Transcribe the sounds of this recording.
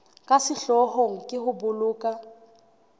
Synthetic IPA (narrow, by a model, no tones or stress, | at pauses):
kʼasɪɬɔhoŋ̩kʼɪhʊbʊlʊːkʼa